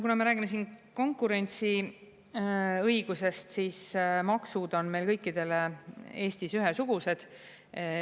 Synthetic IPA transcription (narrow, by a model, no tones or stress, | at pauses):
kunɑme̞ɾæːɡ̥imes̬iːnko̞ŋkːˑuɾe̞nʲt̪si | ɤjɡ̥use̞st̪siːsmɑksud̪o̞nme̞jlkɤjkːid̪e̞lee̞ːst̪isyɦesuɡ̥use̞d̪̥